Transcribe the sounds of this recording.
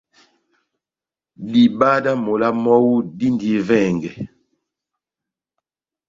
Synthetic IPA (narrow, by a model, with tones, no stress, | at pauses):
di˨ba˦da˦mo˨la˦mɔ˦wu˦di˦ndi˨˦vɛ˦˨ŋɡɛ˨